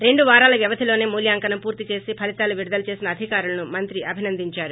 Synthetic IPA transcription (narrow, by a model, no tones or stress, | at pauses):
ɾe̞ɳɖuʋaːɾaːlɐʋjɐʋɐd̪ʱilo̞ːneːmuːljaːŋkɐnɐmpuːɾt̪it͡ʃe̞ːsipʰɐlit̪aːluʋiɽud̪ɐlɐt͡ʃe̞ːsinɐːd̪ʱikaːɾulɐnumɐnt̪ɾiʔɐbʱinɐnd̪iɲt͡ʃaːɾu